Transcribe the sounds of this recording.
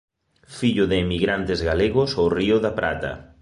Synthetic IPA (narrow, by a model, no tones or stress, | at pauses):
fiʎʊðɪːmiɣɾant̪ɪzɣaleɣʊsowriʊðapɾa̰t̪ɐ̰